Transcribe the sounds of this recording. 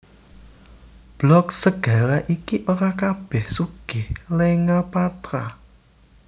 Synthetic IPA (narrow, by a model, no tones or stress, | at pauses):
b̥lɔksəɡ̥ä̤laʔikiʔoɾakab̥ɛhsuɡ̥ɪhleŋapat̪ɾa